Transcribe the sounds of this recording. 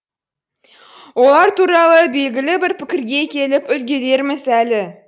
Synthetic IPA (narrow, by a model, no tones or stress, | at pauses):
wo̞lˠɑɾt̪ʰuɾɑlˠəbe̞lɡʲɪlɪbɪɾpʰɪkʲɪɾɡʲe̞kʲʰe̞lɪpʏlɡʲe̞d̪e̞ɾmɪsælɪ